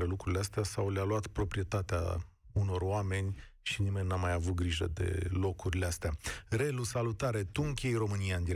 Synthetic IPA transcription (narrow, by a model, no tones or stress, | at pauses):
ɾe̞lukɾuɾileast̪easawlealuat̪pɾo̞pɾije̞t̪at̪ea̰ | uno̞roame̞nʲ | ʃinime̞nʲnamajavut̪̚ɡɾiʒə̰d̪e̞̰lo̞kuɾileast̪eaɾe̞lusalut̪aɾe̞t̪uŋkʲie̞jro̞mɨnijaɨnd̪iɾ